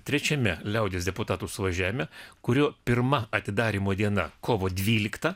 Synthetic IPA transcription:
t̪ʲɾʲɛt͡ʃʲɛmʲɛlʲɛʊd̪ʲeːsd̪ʲɛpʊt̪ɑːt̪uːsʊʋɐʒʲæːʋʲɪmʲɛkʊɾʲoːpʲɪɾmɐɐt̪ʲɪd̪ɑːɾʲiːmoːd̪ʲiɛnɐkʰoːʋoːd̪ʲʋʲiːlʲɪkt̪ɐ

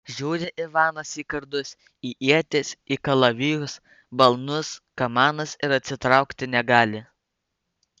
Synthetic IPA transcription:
ʒʲuːɾʲɪʔɪʋɑːnɐsiːkɐɾd̪ʊs | iːʔiɛt̪ʲɪsʲiːkɐlˠɐʋʲɪːjʊs | bɐlˠnʊskɐmɑːnɐsɪɾɐt̪ʲsʲɪt̪ɾɑˑʊkt̪ʲɪnʲɛɡɑːlʲɪ

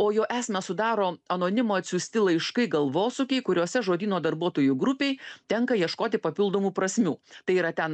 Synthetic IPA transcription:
oːjoːʔæːsʲmʲɛsʊd̪ɑːɾoːɐnoːnʲɪmoːɐt̪ʲsʲʊːsʲt̪ʲɪlˠɐɪʃkɐɪɡɐlˠʋoːsʊkʲɛɪkʊɾʲoɔsʲɛʒoːd̪ʲiːnoːd̪ɐɾbuɔt̪oːjuɡɾʊpʲeɪjt̪ʲɛŋkɐjiɛʃkoːt̪ʲɪpɐpʲɪlˠd̪oːmuːpɾɐsʲmʲuːt̪ɐɪiːɾɐt̪ʲɛn

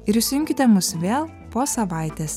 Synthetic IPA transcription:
ɪɾɪʃʲsʲɪjʊŋʲkʲɪt̪ʲɛmʊsʋʲeːlˠ | poːsɐʋɑˑɪt̪ʲeːs

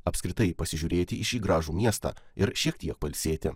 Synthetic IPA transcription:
ɐpʲskʲɾʲɪt̪ɐɪpɐsʲɪʒʲuːɾʲeːt̪ʲɪɪʃʲiːɡɾɑːʒuːmʲiɛst̪ɑ̰ːɪɾʃʲiɛkt̪ʲiɛk̚pɐlʲsʲeːt̪ʲɪ

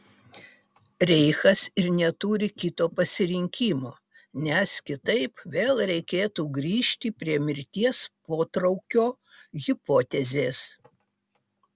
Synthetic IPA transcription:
ɾʲɛɪxɐsɪɾnʲɛt̪uːɾʲɪkʲɪt̪oːpɐsʲɪɾʲɪŋʲkʲiːmoː | nʲɛskʲɪt̪ɐɪpʋʲeːlˠɾʲɛɪkʲeːt̪uːɡɾʲiːʃʲt̪ʲipʲɾʲiɛmʲɪɾʲt̪ʲiɛspoːt̪ɾɐʊkʲoː | ɣʲɪpoːt̪ʲɛzʲeːs

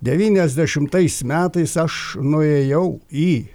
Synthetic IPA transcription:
d̪ʲɛʋʲiːnʲɛzʲd̪ʲɛʃʲɪmt̪ɐɪsmʲæːt̪ɐɪsɐʃnʊeːjɛʊiː

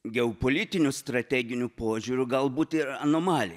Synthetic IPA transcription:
ɡʲɛʊpoːlʲɪt̪ʲɪnʲʊst̪ɾɐt̪ʲæːɡʲɪnʲʊpoːʒʲuːɾʲʊɡɐlˠbuːt̪ɪɾɐnoːmɑːlʲɪ

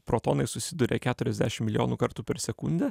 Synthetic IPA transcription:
pɾoːt̪oːnɐɪsʊsʲɪd̪uːɾʲḛkʲæːt̪ʊɾʲɛzʲd̪ʲæ̰ːʃʲɪmʲɪlʲɪjoːnuːkɐɾt̪uːpʲɛɾsʲɛkʊnʲd̪ʲɛ

